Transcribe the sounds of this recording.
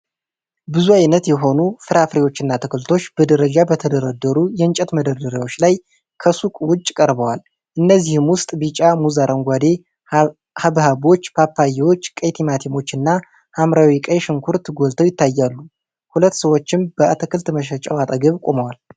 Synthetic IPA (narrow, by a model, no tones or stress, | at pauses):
bɨzuajnət̪jɛɦo̞nufɨɾafɾewo̞t͡ʃːɨnːat̪ʰɨkʰɨlt̪ʰo̞t͡ʃːb̥əd̪əɾəd͡ʒabət̪ʰəd̪əɾəd̪əɾujɛɨnt͡ʃʼɛt̪məd̪əɾd̪əɾewo̞t͡ʃːlaj | kʰəsukʼwʊt͡ʃʼːkʼəɾbəwal | ʔɨnːəzːihɨmwʊst̪ʼbit͡ʃʼamuzaɾʔəŋɡʷad̪e̞ | haβhabo̞t͡ʃːpʰapːajɛwo̞t͡ʃːkʼəjt̪ʰimat̪ʰimo̞t͡ʃːɨnːa | hamɾawikʼəjʃɨŋkʰuɾt̪ɡo̞lt̪ʰəwjɪt̪ːajːalːu | hulət̪ːsəwo̞t͡ʃːɪmbəat̪ʰɨkʰɨlt̪məʃ̬ət͡ʃʼawat̪ʼəɡəβkʼo̞məwal